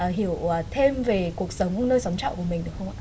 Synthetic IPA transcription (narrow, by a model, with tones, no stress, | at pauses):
ɦi˧˨əwt̪ʰe˧mve˨˩ku˨˩ək̚sə˨˦wŋ͡mnəː˧jsa˨˦wŋ͡mt͡ɕa̰˧˨ku˧˩əmï̟˩ɗɨ˨˩əkʰxʰə˧ŋ͡m